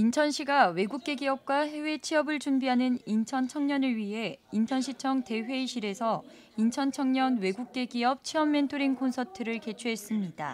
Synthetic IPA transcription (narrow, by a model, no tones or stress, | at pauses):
int͡ɕʰʌnɕʰiɡawe̞ɡuk͈̚e̞ɡiʌp̚k͈wahe̞we̞t͡ɕʰiʌbɯɭt͡ɕumbiɦanɯnint͡ɕʰʌnt͡ɕʰʌŋɲʌnɯɭɥiɦe̞int͡ɕʰʌnɕʰit͡ɕʰʌŋte̞ɸwe̞iɕʰiɾe̞sʰʌ | int͡ɕʰʌnt͡ɕʰʌŋɲʌnwe̞ɡuk̚k͈e̞ɡiʌp̚t͡ɕʰiʌmːe̞ntʰoɾiŋkonsʰʌtʰɯɾɯɭke̞t͡ɕʰuɦe̞s͈ɯmɲid̥a̰